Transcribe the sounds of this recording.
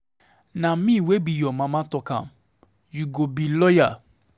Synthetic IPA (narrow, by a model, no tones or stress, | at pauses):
nãmĩwebijɔmãmãːtɔkã̰ | juɡobilɔja